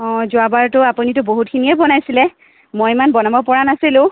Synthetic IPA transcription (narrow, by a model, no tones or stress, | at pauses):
ɔ̃zʊabaɹtʊapunitʊboɦut̚kʰinijɛbɔnajsilɛ | mojmanbɔnabɔpɔɹanasilʊ̃